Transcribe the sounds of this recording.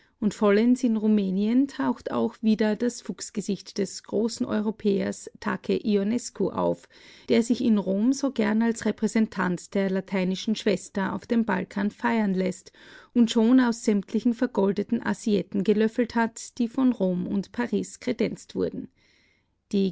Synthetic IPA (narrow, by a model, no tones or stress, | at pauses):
ʔʊntfɔlɛnsɪnʁumeːniəntʰaʊxta̰ʊxv̥iːdɐd̥asfuksɡ̥əzɪçtd̥ɛsɡ̥ʁoːsn̩ʔɔ̰ʏʁopʰɛːɐ̰stʰakʰəʔionɛskʰoʔa̰ʊf | d̥eːɐzɪçɪnʁoːmzoːɡɛɐnalsʁɛpʁ̥ɛzɛntʰantd̥eːɐlatʰaɪnɪʃn̩ʃv̥ɛstɐʔa̰ʊfd̥eːmba̰lkʰaːnfaɪɐnlɛstʔʊntʃoːnaʊsz̥ɛmtʰlɪçn̩fɛɐɡɔldətn̩ʔa̰ziɛtn̩ɡəlœfl̩thatd̥iːfɔnʁoːmʊ̰ntpʰaʁiːskʁ̥edɛnt͡stv̥ʊɐdn̩ | d̥iː